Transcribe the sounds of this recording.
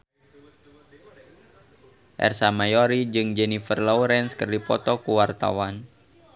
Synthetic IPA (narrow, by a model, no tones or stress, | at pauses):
ʔɛ̰rsamajɔɾid͡ʒɨŋd͡ʒɛnifərlɔuɾɛnskərdipɔ̰t̪ɔkuwart̪a̰wan